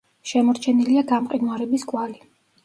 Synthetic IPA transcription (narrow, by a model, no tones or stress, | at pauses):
ʃɛmɔɾt͡ʃʰɛniliaɡamqʼid̪aɾɛbiskʼwali